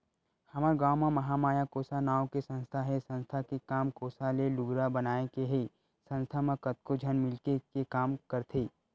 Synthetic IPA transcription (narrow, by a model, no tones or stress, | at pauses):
hɐmaɾɡaːwmamɐɦamaːjakoːsanaːokesə̃nst̪ʰaɦɛsə̃nst̪ʰakekaːmkoːsalelʊɡɾabɐnaːekeɦe | sɐ̃nst̪ʰamãkɐt̪̚kod͡ʒʱɐnmɪlkekekaːmkɐɾt̪ʰeː